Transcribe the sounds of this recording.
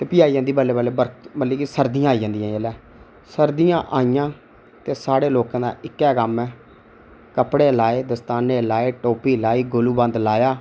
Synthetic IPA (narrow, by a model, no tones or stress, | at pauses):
t̪eːpiːaːiːd͡ʒãnd̪iːbəlːeːbəleːbəɾbəlːiːkisəɾd̪ɪjãːiːd͡ʒãːnd̪ijãːelɛː | səɾd̪ɪjãːʔaːijãː | t̪eːsaːɽeːloːkãːd̪a̰ːʔɪkːɛːkəmɛː | kəpɽeːlaːeːd̪əst̪aːneːlaːeːʈoːpiːlaːiːɡoluːbə̃nd̪laːjaː